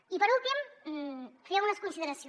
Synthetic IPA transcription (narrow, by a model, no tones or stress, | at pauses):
ipəɾulˠt̪im | feɐunɐskunsiðəɾɐsio